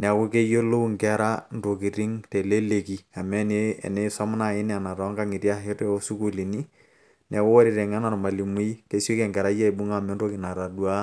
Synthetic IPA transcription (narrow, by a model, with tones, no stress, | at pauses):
n˨a˨ko˦ke˦jo˦lo˦u˦ŋkɛ˦ɾa˦n˨to˨ki˨ɾi˦ŋtɛ˨le˦le˨ki˨a˨mɛ˦ne˦ɛ̰˨nɛ˦sa˦m˦na˨ɪ˦n˨a˨na˨ɾɔ˨˦ŋka˦ŋi˨tja˦ɦe˦tɔ˦o˦su˦ku˦li˨ni˦ | nɛ˨kʊ˦wa˦ɾi˨ɾɛ˨ŋa˦na˨rma˨li˨mu˦ke˦si˦kɛ˨ŋɡɛ˨ɾa˦jɛ˦˨bu˦ŋa˦˨mɛ˦ndo˦ki˨na˨ɾa˨dwa˦